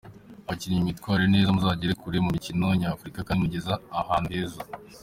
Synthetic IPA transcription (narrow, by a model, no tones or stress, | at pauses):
βaciɾiɲimitkwaːɾene̞ːzamuzaːɟeɾekuɾemumicino̞ɲaːfɾikakamuɟe̞zaːhaːndeza